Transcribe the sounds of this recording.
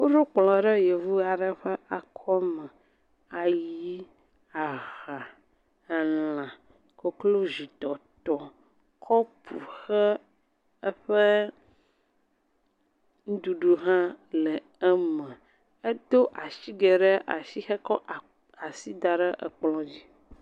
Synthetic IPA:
wo˦ɖo˦k͡plɔ̃˨ɖə˦jɛ˨vu˦a˨ɖə˦ɸɛ˦ʔa˨kʰɔ˦mɛ̃˨ | a˨ji˦ | a˨ɣa˨ | nã˨ | ko˨klo˦zi˨t̪ɔ˨t̪ɔ˨ | kʰɔ˦pʰu˨xɛ˦ | ə˦ɸə˦ | ŋũ˦d̪u˨ɖu˨ɦã˦lɛ˨ | ɛ˦mɛ̃˨ | e˦d̪o˦ʔa˨ʃi˦ɡe˨ɖɛ˦ʔa̰˨ʃi˦xɛ˦kɔ˦ʔ | a˨si˦d̪a˨ɖə˦ʔə̰˨k͡plɔ̃˦d͡ʑi˦

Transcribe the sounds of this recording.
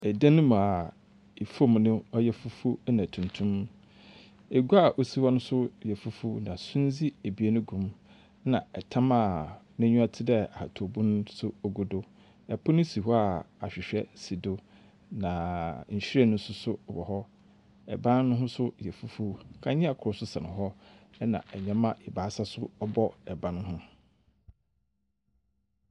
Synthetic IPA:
ɛ˨dã˦nʊ̃˦m̃˨a˨ | e˨fo˦˨m˨nʊ̃˦ɔ˦jɛ˦fu˦fu˦nã˨tʰũ˨ntʰũ˦m | e˨ɡu˦a˨ʔo˨si˦hɔ˦nʊ̃˦sʊ˦jɛ˨fu˦fu˦nã˨sũ˦n˦d͡zi˦e˨bi˨e˦nʊ̃˦ɡũ˨m˦ | nã˨ɛ˨tʰã˦ma˨ | nã˦ɲũ˦a˦tʰɪ˦dɛ˦a˨a˨tʰo˨bũ˦n˦sʊ˦o˦ɡu˨dʊ˦ | ɛ˨pʰɔ˦nʊ̃˦si˨hɔ˦a˨ | a̰˨ɕᶣɪ˨ɕᶣɛ˦si˨do˦ | nã˨ɲ̩˨ɕᶣi˦ɛ˦nʊ̃˦sʊ˦sʊ˦˨bɔ˨hɔ˦ | ɛ̰˨bã˦nː˦ʊ̃˦ɦʊ̃˦sʊ˦jɛ˨fu˦fu˦kʰã˦ɲɪ̃˦a˨kʰʊ˨ɾʊ˨˦sʊ˦sã˨nʊ̃˨hɔ˦ɛ˦nã̰˨ɛ˨ɲɛ̃˦mã˦ʔɪ˨baː˨˦sa˦sʊ˦ɔ˦bɔ˦ɛ˨bã˦nʊ̃˦ɦʊ̃˦

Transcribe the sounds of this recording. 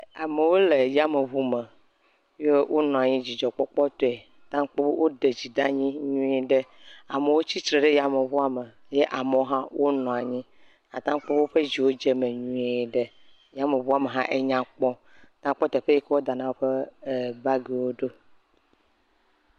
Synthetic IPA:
a˨me˨wo˦le˨ja˦me˨βu˦me˨ | je˦wʔo˦nɔ̃˨a˨ɲĩ˦d͡ʑi˨d͡ʒɔ˨k͡pɔ˦k͡pɔ˦t̪ɔ˦e˨t̪ã˦k͡po˦bo˦wʔo˦ɖe˨d͡ʑi˨d̪ã˦ɲĩ˦ɲũ˦ɛ˨ɖe˦a˨me˨wo˦t͡ɕi˦tɾe˨ɖe˦ja˦me˨βu˦a˨me˨ | je˦ʔa˨me˨o˦ɦã˦wʔo˦nɔ̃˨a˨ɲĩ˦ | a̰˨t̪ã˦ŋk͡po˦bo˦ɸe˦d͡ʑi˨wo˦d͡ʒe˦me˨ɲũ˦e˨ɖe˦ | ja˦me˨βu˦a˨me˨ɦã˦ʔe˦ɲã˨k͡pɔ̃˦ | t̪ã˦k͡pɔ˦t̪ɛ˨ɸe˦ji˦ke˦wo˦d̪a˨nã˨wo˦ɸe˦e˨ba˦ɡi˨wo˦ɖo˦

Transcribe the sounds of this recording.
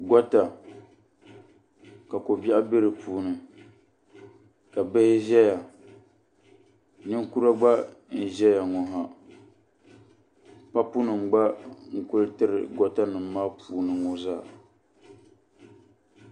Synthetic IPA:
ɡɔ˦ta˨ | ka˨ko˨bi˦ʔa˦bɨ˦ɾɨ˨pʰuː˦nɨ˨ | ka˨bɨ˦hɪ˦ʒɛ˦ja˨ | nɨ˦ŋ˦ku˦ɾa˦ɡ͡ba˦n̩˨ʒɛ˦ja˨ŋɔ˨ɦa˨ | pa˦pu˦nɨ˨m˨ɡ͡ba˦ŋ̩˨kʊ˦lɨ˦tɨ˦ɾɨ̰˨ɡɔ˦ta˦nɨ˨m̩ː˦aː˦pʰuː˨nɨ˨ŋɔ˦zaː˦˨

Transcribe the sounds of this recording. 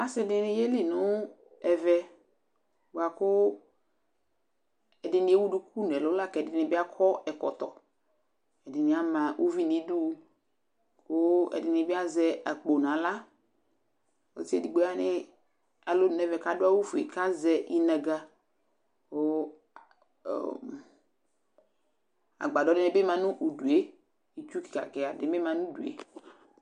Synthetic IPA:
a˦sɪ˦dɪ˦nɪ˦je˦li˦nʊ˨˦ | ɛ˨vɛ˦ | wo˨a˨kʊ˦ | ɛ˨dɪ˨˦nɪ˨˦e˦wu˦du˦kʰu˦n˨ɛ˨lʊ˨˦la˦˨kɛ˨dɪ˨˦nɪ˨bɪ˦a˦kʰɔ˦ɛ˨kɔ̰˨t̪ɔ˨ | ɛ˨dɪ˨nɪ˨a˦mã˨ʔu˦vi˦nɪ˨˦du˦ | kʰʊ˦ɛ̰˨dɪ˨nɪ˨˦bɪ˦a˦zɛ˦a˨k͡po˨nã˨la˦ | o̰˨˦ti˦e˦˨di˨ɡ͡be˦a˦nɪ˦ | a˨lo˦n˨nɛ˦vɛ˨ka˦dʊ˦a˦wu˦fu˨ḛ˨ka˦zɛ˦ʔi˦nɛ˨ɡa˨ | ko˦˨ | a̰˨ɡ͡ba˨dɔ˨˦dɪ˦nɛ˦bɪ˦mã˨nʊ̃˦ʔu˨du˨e˦ | i˦t͡ʃu˦ki̥˨ka̰˨kɪ˨a˨dɪ˨˦bɪ˦mã˨nʊ̃˦dṵ˨ḛ˨˦

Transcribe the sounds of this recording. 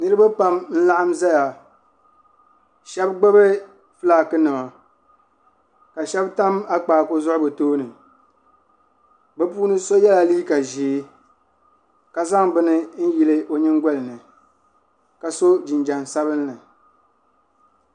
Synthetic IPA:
nɨ˦ɾɨ˦ba˦pa˦mn̩˦la˦ʔa˦mza˦ja˨ | ʃɛ˦bɡ͡bɛ˦bɨ˦ | fɨ˦laː˨kɨ˦nɨ˨ma˨ | ka˨ʃɛ˦bta˦ma˦k͡paː˨ko˦zʊ˦ʔʊ˦bɨ˨toː˦nɨ˨ | bɛ˦puː˦nɨ˦so˦jɛ˦la˨liː˦ka˨ʒi˨˦ | ka˨za˦ŋbɨ˦nɨ˦n̩˦ji˨lɨ˦ʔo˨ɲɨ˦ŋɡɔ˦lɨ˨nɨ˨ | ka˨so˦d͡ʒɪ˨nd͡ʒa˨nsa˦bɨ˦nːɨ˨

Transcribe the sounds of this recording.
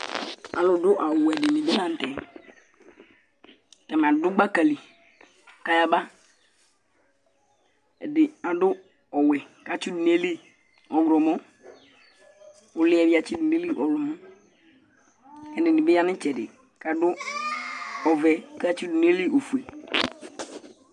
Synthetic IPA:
a̰˨lʊ˨dʊ˦ʔa˨wʊ˨ɛ˨dɪ˨nɪ˨be˦ã˦n̩˨tɛ˨ | tɛ˨m˨a˨dʊ˦ɡ͡ba˦ka˨li˨ | ka˦ja˦ba˦ | ɛ˨dɪ˨a˨dʊ˦ | ɔ˨wɛ˨ka˨t͡ʃi˦dʊ˨ne˦li˦ | ɔ˨ɡɾɔ˨mɔ̃˦ | ʊ˨lɪ˦ɛ˨bɪ˦a˨t͡ʃi˦dʊ˨ne˦li˦ʔɔ˨lɔ˨mʊ̃˦ | ɛ˨nɪ˨nɪ˨bɪ˦a˦nɪ̃˦t͡ʃɛ˨dɪ̰˨ | ka˨dʊ˦ | ɔ˨vɛ˨ka˦t͡ʃi˦dʊ˨ne˦li˦ʔo˨fu˨e˨

